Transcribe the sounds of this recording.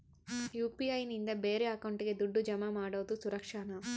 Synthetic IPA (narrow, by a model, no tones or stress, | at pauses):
juːpiɐjnind̪ɐbeːɾeɐkɐwɳʈiked̪uɖːud͡ʒɐmamaːɽɐwt̪usuɾɐkʂanɐm